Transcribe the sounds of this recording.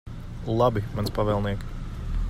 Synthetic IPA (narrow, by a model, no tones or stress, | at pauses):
lˠabimanspaʋɛːlˠniɛk